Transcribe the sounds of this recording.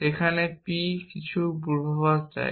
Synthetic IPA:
ekʰanepikit͡ɕʰubuɾbʱɔβast͡ɕa̰e

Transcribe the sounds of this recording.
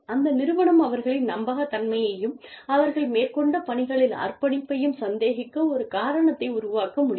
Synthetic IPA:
ɐnd̪ɐnɪɾɯʋɐɳɐmɐʋɐɾɣɐɭɪnnɐmbɐɣɐt̪ːɐnmɐjɐjɯmɐʋɐɾɣɐɭmeːɾkɔɳɖɐpɐɳɪɣɐɭɪla̰ːrpɐɳɪpːɐjɯmsɐnd̪eːɣɪkːɐɔɾɯkaːɾɐɳɐt̪ːɐɪʊɾʊʋaːkɐmʊɽɪj

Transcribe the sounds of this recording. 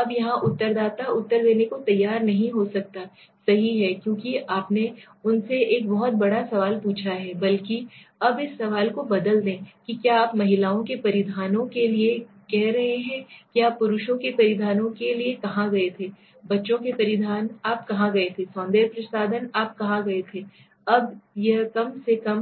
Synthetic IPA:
ɐbjɐɦãʔʊt̪ːəɾd̪aːt̪aʊt̪ːəɾd̪eːnekot̪ɐjːaːɾnɐɦĩɦosɐk̚t̪a | sɐɦiɦɛkjõːkiʔaːpne | ʊnseeːkbɐɦɔt̪̚bɐɽasɐʋaːlpuːt͡ʃʰaɦɛbɐlkiɐbɪsːɐʋaːlkobɐd̪əld̪ẽːkikjaːpmɐɦɪlaːõkepɐɾɪd̪ʱaːnõkelie | kɛɦɾɐɦeɦɛ̃kijaːppːʊɾʊʃõkepɐɾɪd̪ʱaːnõkeliekɐɦãɡɐet̪ʰe | bɐtːʃõkepɐɾɪd̪ʱaːnaːp̚kɐɦãɡɐet̪ʰesɔ̃ːnd̪eːɾpɾɐsaːd̪ənaːp̚kɐɦãɡɐet̪ʰe | ɐbjɐkɐmsekɐm

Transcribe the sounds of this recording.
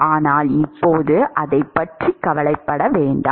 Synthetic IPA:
ʔaːnaːlɪpːoːðɯʔɐðɐɪpːɐʈrikːɐʋɐlɐɪpːɐɽɐʋeːɳɖɐ

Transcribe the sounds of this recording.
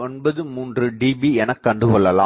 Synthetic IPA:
ɔnbɐðɯmuːndrɯɖiːbiɛnɐkːɐɳɖɯkɔɭːɐla̰ː

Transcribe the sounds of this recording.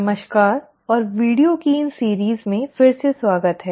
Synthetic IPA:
ɐməʃkaːɾ | ɔːɾʋiːɖijokiːnsiːɾiːzmẽfɪɾseswaːɡət̪ɦɛː

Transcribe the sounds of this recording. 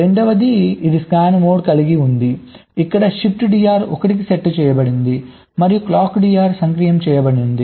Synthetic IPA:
ɾeɳɖɐʋɐd̪iid̪iskaːnmoːɖkɐliɡiund̪iː | kːɐɽɐʃip̚ʈɖijaːɾɔ̰kɐʈik̬iseʈːt͡ʃɛːjɐbɐɽind̪i | mɐɾijuklaːkːɖijaːɾsɐŋkɾijɐmt͡ʃɛːjɐbɐɽind̪i

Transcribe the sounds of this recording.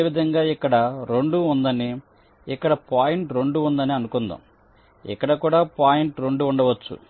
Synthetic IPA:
ʋid̪ʱɐŋɡaːikːɐɽɐɾe̞ɳɖuːnd̪ɐni | ikːɐɽɐpaːjiɳʈɾe̞ɳɖuund̪ɐniɐnukund̪ɐ̰m | ḭkːɐɽɐkuːɽaːpaːjiɳʈɾe̞ɳɖuːɳɖɐʋɐt͡ʃːṵ

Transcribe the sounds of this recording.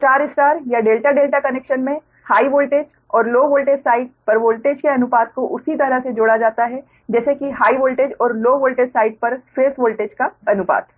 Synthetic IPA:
sʈaːɾɪsʈaːɾjaɖeːlʈaɖeːlʈakɐneːkʃənmẽ | haːiʋoːlʈeːd͡ʒ | ɔːɾloːʋoːlʈeːd͡ʒsaːɪɖpɐɾʋoːlʈeːd͡ʒkeɐnʊpaːt̪̚koʔʊsit̪ɐɾəɦsed͡ʒoːɽad͡ʒaːt̪aɦɛ | d͡ʒɛːsekiɦaːiʋoːlʈeːd͡ʒɔːɾloːʋoːlʈeːd͡ʒsaːɪɖ̚pɐɾfeːsʋoːlʈeːd͡ʒkaɐnʊpa̰ːt̪

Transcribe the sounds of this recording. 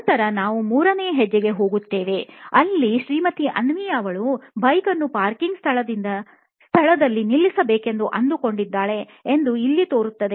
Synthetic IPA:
t̪ɐɾɐnaːʋumuːɾɐneːɐɦɛd͡ʒːɛɡe̞ɦo̞ːɡut̪ːe̞ːʋe̞ɐlːiʃɾiːmɐt̪iʔɐnʋijaːʋɐɭubɐjkɐnːupaːɾkiŋɡst̪ʰɐɭɐd̪ind̪ɐ | st̪ʰɐɭɐd̪ɐlːinilːisɐbeːke̞nd̪uʔɐnd̪uko̞ɳɖid̪ːaːɭe̞ | end̪uilːit̪o̞ːɾut̪ːɐd̪e

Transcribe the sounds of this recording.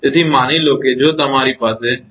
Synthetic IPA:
ɪt̪ʰiːmaːniːloːked͡ʑoːt̪ɐm̤aːɾiːpaːse

